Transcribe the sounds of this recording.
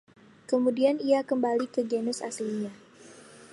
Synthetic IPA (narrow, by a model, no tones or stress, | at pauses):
kəmudianiakəmbalikəɡenʊsa̰sliɲa